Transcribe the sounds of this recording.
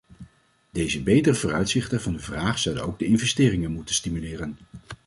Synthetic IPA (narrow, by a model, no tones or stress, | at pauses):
d̥ejzəbejtərəvʊːrœɥtsɪχtənvɑndəvraːχsʌwdənowɡ̚dəɪnvɛstɪːrɪŋənmutənstimylɪːrən